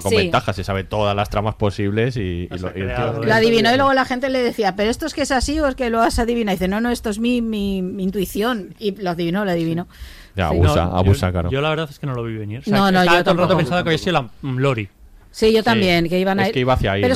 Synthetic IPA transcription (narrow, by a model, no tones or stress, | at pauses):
kosbent̪axasesaβe̞t̪o̞ðazlast̪ɾamaspo̞siβle̞sḭoiet̪loaðiβino̞ilweɣo̞laxe̞nt̪e̞le̞ðe̞θiapeɾoest̪oeskeesasioeskelweɣasaðiβinaðiθeno̞no̞e̞st̪oezmimimːnt̪uiθjo̞niloaðiβino̞loaðiβino | a̰βussa̰a̰βusa̰kla̰ɾoolaβeɾðaθeskenoloβiβeneɾnonnoʝot̪olrɾat̪opensaðkaβjiasiðoaloɾi | siʝot̪ambje̞nkeiβanakeiβaːθjaipeɾo